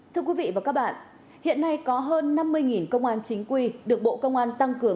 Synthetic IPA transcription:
t̪ʰɨ˧əkwi˨˦vḭ˧˨vaː˨˩kaː˦˥k̚ɓa̰ː˧˨nʔ | hḭ˧˨ənːa˧jkɔ˨˦ɦəː˧nːa˧mːɨ˧əjŋi˨˩nkə˧wŋ͡mʔaː˧nt͡ɕï˨˦ŋ̟kwi˧ɗɨ˨˩ək̚ɓo̰˧˨kə˧wŋ͡mʔaː˧nt̪a˧ŋkɨ˨˦əŋ

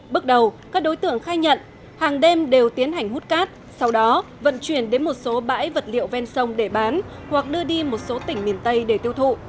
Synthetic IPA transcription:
ɓɨ˦˥k̚ɗə˨˩wkaː˦˥k̚ɗo˨˦jt̪ɨ̰˧˨əŋxaː˧jɲə̰˧˨n | haː˨˩ŋɗɛ˧mɗe˨˩wt̪i˨˦ənɦa˨˩jŋ̟hu˦˥t̚kaː˦˥t̚ | sa˧wɗɔ˨˦ | və̰˧˨nt͡ɕwi˧˩ənɗe˨˦nmo˨˩t̚so˨˦ɓa̰ː˧˥jvə˨˩t̚lḭ˧˨ə˨wvɛ˧nsə˧wŋ͡mɗe˧˩ɓaː˨˦n | hwa˨˩k̚ɗɨ˧əɗi˧mo˨˩t̚so˨˦t̪ï˧˩ŋ̟mi˨˩ənt̪ə˧jɗe˧˩t̪i˧əwt̪ʰṵ˧˨

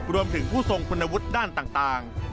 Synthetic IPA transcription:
ɾu˧əmt̪ʰɯ˩˦ŋpʰuː˥˩so˧ŋpʰu˧nːa˧wu˦˥t̪̚daː˥˩nt̪aː˨˩ŋt̪aː˨˩ŋ

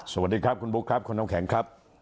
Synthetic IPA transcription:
so˧˩wa˨˩diː˧kʰɾa˦˥p̚kʰu˧nbu˦˥kʰɾa˦˥p̚kʰu˧nːa˧mkʰɛ˨˩˦ŋkʰɾa˦˥p̚

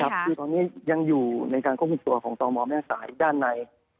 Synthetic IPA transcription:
kʰa˦˥p̚kʰɯː˧˩t̪ɔː˧nːi˦˥ja˧ŋjuː˨˩na˧jkaː˧nkʰpku˧mt̪u˧ɐkʰɔː˩˦ŋt̪ɔː˧ŋmɔː˧mɛː˥˩saː˩˦jdaː˥˩nːa˧j

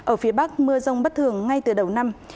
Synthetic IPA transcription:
ʔəː˧˩fi˨˦əɓa˦˥k̚mɨ˧əzə˧wŋ͡mɓə˦˥t̚t̪ʰɨ˨˧˩əŋːa˧jt̪ɨ˨˩ɗə˨˩wna˧m

